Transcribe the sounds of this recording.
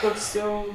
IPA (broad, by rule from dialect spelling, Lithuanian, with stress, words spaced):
ˈkoːks ˈjɛʊ